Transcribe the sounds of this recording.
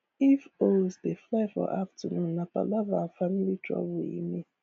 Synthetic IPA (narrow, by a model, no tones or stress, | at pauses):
ifosdeflaɪfɔ̰ʔaftənũn̩ːapa̰lavafamilitʰɾɔ̰bʊḭme